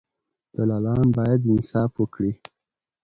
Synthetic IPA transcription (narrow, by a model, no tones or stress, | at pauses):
d̪̥əlalɑmbɑjad̪ɪnsɑfwəkɽi